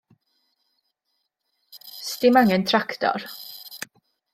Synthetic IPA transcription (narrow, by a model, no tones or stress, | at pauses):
st̪ɪmaŋənt̪ʰɾakt̪ɑ̰ɾ